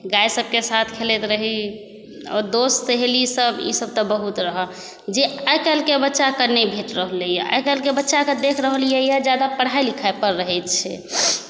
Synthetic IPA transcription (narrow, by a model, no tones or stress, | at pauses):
ɡajsəb̚kesat̪ʰkʰelet̪ɾəɦi | ɔ̰ɾd̪osseɦelisəbḭsəb̚t̪əbəɦut̪ɾəɦə | d͡ʒeajkəlkebətːʃakəɾnebʱeʈɾəɦələjɛa̰jkəlkebətːʃakəd̪ekʰɾəɦəljəjəd͡ʒjad̪apəɽ̤ajlikʰaepəɾːəɦɛjt̪t͡ʃʰɛ̰